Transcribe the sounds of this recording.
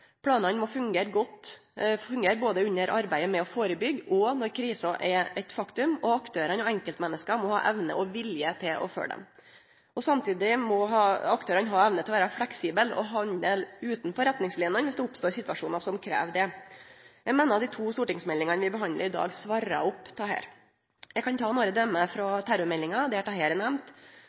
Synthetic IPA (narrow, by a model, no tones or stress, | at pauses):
pʰɽɑːnɑnmɔfʉŋɡeːɾɡɔt̪ːfʉŋɡeːɾboːd̪əʉɲːəɾʔɑɾbæɪəmɛɔfoːɾəbʏɡːɔnɔɾkʰɾiːsɑʔɛɛt̪fɑkt̪ʉmɔɑkt̪ʰøːɾənɔɛŋkəlt̪mɛnːəskɑmɔhɑ̰ːʔɛʋnə̰ʔɔʋɪljət̪ʰɪlʔɔ̰fø̰ːɖɛ̰m | ʔɔsɑmt̪ʰiːd̪ɪmɔɦɑːɑkt̪øːɾɑnɦɑːɛʋnət̪ʰɪlɔʋæːɾɑflɛksiːbəlɔ̰ɦɑɲəlʉːt̪nfɔɾɛt̪nɪŋslɪːnənʋɪsd̪ɛʊpst̪oːɾsɪt̪ʋɑʂuːnɑsɔmkʰɾḛːʋd̪ɛ | jæɡmeːnəɾɑt̪d̪ɪːt̪ʰuːst̪uːʈɪŋsmɛlɪŋɑnəʋɪbəɦɑnd̪ə̰ɾɪd̪ɑ̰ːɡsʋɑɾɑ̰ʊpt̪ʰɑhḛːɾ | jɛɡkɑnt̪ʰɑːnoːɾəd̪œmːəfɾɔt̪ʰæɾʊɾmɛlːɪŋɑd̪ɛæʈʰɑɦeːɾənɛmnt̪